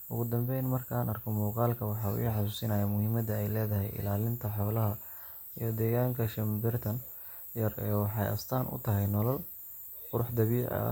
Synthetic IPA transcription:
ʔʊ̰ɣʊd̪ɐmbɛjnmɐrkʰaːnɐrkʰɔmɔːqɑːlkʰɐwɑħɑːṵʔḭːħɑsuːsɪnɐjɐmʊhiːmɐd̪ɐɛjlɛːðɐɦɛ̰jʔɪ̰laːlɪnt̪ʰɐħɔːlɐɦɐ | ijɞd̪ɛːɣaːŋkʰɐʃɐmbɪrt̪ʰɐn | jɐrɛːwɑħɑjʔɐ̰st̪ʰaːnʔʊ̰t̪ʰɐɦɛjnɔlɔl | qʊɾʊħd̪ɐβiːʕɐ̰

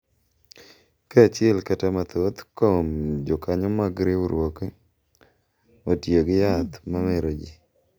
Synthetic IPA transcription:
kaat͡ʃɪɛlkatamat̪ot̪komd͡ʒɔkaɲɔmaɡɾeuɾwoke | otjoɡɪjat̪mamɛɾod͡ʒi

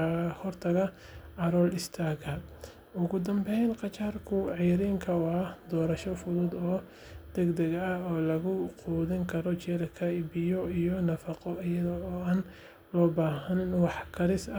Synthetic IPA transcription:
hɔrt̪ʰɐɣɐ | ɑɾɔːlɪst̪ʰaɡʰɐd̪ | ʊɣʊd̪ɐmbɛjnqɑt͡ʃaːrkʰʊʕɑjɾiːŋkʰɐʊad̪ɔːɾɐʃɔfʊðuːd̪ɔː | d̪̥ɛɡd̪ɛɣːɔːlɐɣʊquːðɪŋkʰɐɾɔt͡ʃɛːɾɐkʰɐibɪjɔijɔnɐfɑqɔɐjɐðɔɔːaːn | lɔːbaːɦɐnwɑħkʰɐɾɪsɐ

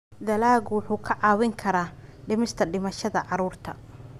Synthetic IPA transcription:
d̪ɐlaːɣwʊħuːkʰɐʕɑːwɪŋkʰɐɾaːɖɪmɪst̪ʰɐɖɪmɐʃɐðɐʕɑɾuːrt̪ʰɐ

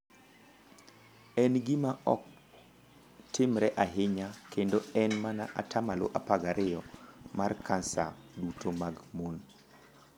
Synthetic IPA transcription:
ɛnɡɪmaʔɔ̰k̚ | tɪmɾɛʔaɦɪɲakendoɛnmanaʔa̰tʰamalo̰ʔapaɡaɾʔɪjɔmarkʰansa̰dutʰomaɡmon

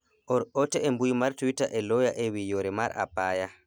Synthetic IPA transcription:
ʔɔɾɔtɛɛmbujmaɾtuwitaʔɛlɔjaʔɛwijɔɾɛma̰ɾa̰pːaːja

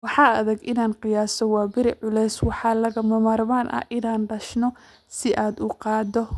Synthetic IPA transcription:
wɑħɑːɐðɐɡʔɪnaːnqɪjaːsɔwɑːbɪɾɪʕʊlɛjswɑħɑːlɐɣɐmɐmɐrmaːnʔɐ̰ʔɪnaːnɖɐʃnɔ | sɪʔaːd̪ʊqɑːd̪ɔ

